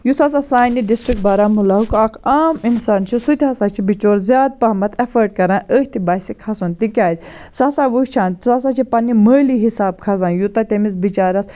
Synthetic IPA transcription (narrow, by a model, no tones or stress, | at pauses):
jusas̬asaːniɖisʈɾik̚ʈ̚baːɾaːmulaɦukakʰaːminsaːnt͡ʃʰisut̪ʲɦasaːt͡ʃʰibit͡ʃoːɾzʲjaːd̪̚pɐɦmɐt̪ʰɐfəːʈ̚kɐɾãːnʔəːɦʲt̪ʰibaːjsikʰɐsont̪ikʲaːd̪ʲ | sasaːʋut͡ʃʰaːnt̪sas̬aːt͡ʃʰipɐnːiməːliɦisaːb̚kʰɐsaːnjut̪at̪emis̬bit͡ʃaːɾɐs